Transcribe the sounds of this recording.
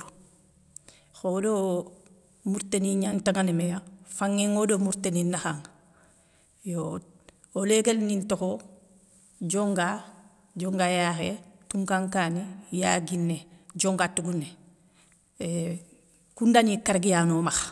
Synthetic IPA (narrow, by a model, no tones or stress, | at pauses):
xodo | muɾteniɲantaŋanemejafaŋːeŋodomuɾteninːaxaŋ | jo | oleɡelnintoxo | d͡ʒoŋɡa | d͡ʒoŋɡajaxetuŋkaŋkaːnijaɡinːed͡ʒoŋɡatuɡunːe | kundanikaɾɡijanomax